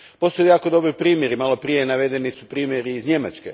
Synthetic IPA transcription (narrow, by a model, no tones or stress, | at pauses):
po̞st̪ojujaːko̞d̪o̞bɾipɾiːmje̞ɾimalˠo̞pɾije̞naʋe̞d̪e̞nisupɾiːmjeɾiːzɲe̞mat͡ʃkḛ